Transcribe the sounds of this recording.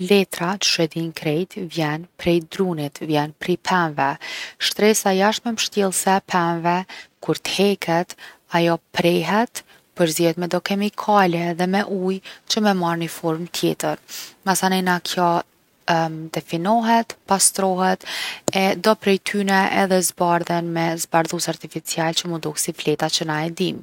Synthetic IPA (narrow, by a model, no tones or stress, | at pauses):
lɛt̪ɾat̪ʃɛd̪inkɾɛjt̪vjɛnpɾɛjd̪ɾunit̪vjɛnpɾipʰɛnvɛʃt̪ɾɛsajaʃmɛməʃt̪jɛlˠsɛpʰɛmvɛkuɾt̪hɛkʰɛt̪ajɔpɾɛɦɛt̪ | pəɾziɛt̪mɛd̪ɔkɛmikʰalɛðɛmɛʔujt͡ɕəmɛmaɾnifɔɾmt̪ʰjɛ̰t̪əɾmasanɛnakʰjɔ | d̪̥ɛfinɔɦɛt̪past̪ɾɔɦɛt̪ɛd̪ɔpɾɛjt̪ʰynɛʔɛðɛzbaɾðɛnmɛzbaɾðusaɾt̪ifit͡sialt͡ɕəmud̪uhsiflɛt̪at͡ɕənaɛd̪im